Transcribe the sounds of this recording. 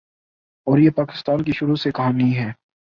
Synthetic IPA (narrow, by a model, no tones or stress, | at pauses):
ɔːɾjepaːkɪ̥st̪aːnk̬iʃʊɾusekɐɦaːniɦɛː